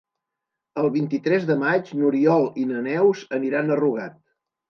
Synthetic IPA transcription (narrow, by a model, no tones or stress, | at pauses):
əlˠβint̪it̪ɾɛzðəmad͡ʒnuɾiɔlˠinənɛwzəniɾanəruɣat̪